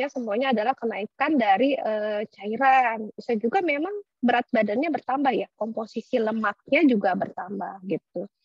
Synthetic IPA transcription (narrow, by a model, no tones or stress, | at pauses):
jasəmuaɲaːdalahkənaikandaɾiʔət͡ʃaiɾansad͡ʒuɡamemaŋ | bəɾat̪̚badanɲabərt̪ambahjakomposisiləmak̚ɲad͡ʒuɡabərt̪ambahɡit̪̚u